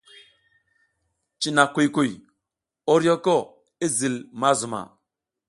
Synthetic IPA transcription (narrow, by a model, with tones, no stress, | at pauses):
t͡ʃi˨na˨kʷu˨jku˨j | o˦ɾjo˦ko˦˨ | i˦zi˨lma˦zu˨ma̰˨